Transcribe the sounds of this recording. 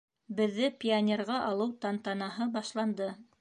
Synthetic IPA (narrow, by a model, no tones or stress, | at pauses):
bɘ̆ðːɘpʲianʲerʁɑʔɑlˠɤwt̪ɑnt̪ɑnɑɦɤbɑʃlˠɑnd̪ɤ